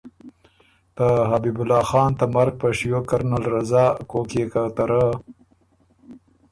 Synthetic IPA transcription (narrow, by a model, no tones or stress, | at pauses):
t̪əɦabibʊlɑːxɑːnt̪amaɾɡ̚pəʂjokaɾnalɾazɑːkokekat̪aɾə